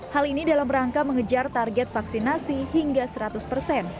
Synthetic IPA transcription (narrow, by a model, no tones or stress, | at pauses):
halinidalamɾaŋkaməŋəd͡ʒart̪arɡɛt̪̚faksinasiɦiŋɡasəɾat̪ʊspərsɛn